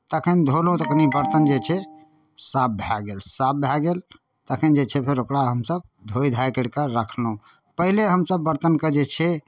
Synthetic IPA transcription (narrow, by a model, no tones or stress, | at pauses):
t̪əkʰənd̪ʱolõt̪əkʰnibəɾt̪ənd͡ʒet͡ʃʰɛ | sab̚bʱjaɡelsab̚bʱjaɡel | t̪əkʰənd͡ʒet͡ʃʰɛpʰeɾokɽaɦəmsəb̚ | d̪ʱojd̪ʱajkəɽkəɾəkʰlõ | pəɦileɦəmsəbːəɾt̪ənkəd͡ʒet͡ʃʰɛ